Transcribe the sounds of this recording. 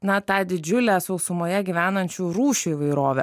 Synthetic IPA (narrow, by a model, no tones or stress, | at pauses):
nɐt̪ɑːd̪ʲɪd͡ʒʲʊlʲæːsɐʊsʊmoːjɛɡʲiʋʲæːnɐnʲt͡ʃʲuːɾuːʃʲuɪʋɐɪɾoːʋʲɛ̰